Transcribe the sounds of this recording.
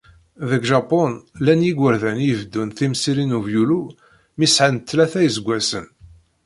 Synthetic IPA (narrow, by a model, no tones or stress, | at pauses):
ðəɡʒɑponlænjiɡʷəɾðænjəvd̪ːunθimsiɾinuvjulu | misʕant̪ːlæθæjzəɡʷːæsə̰n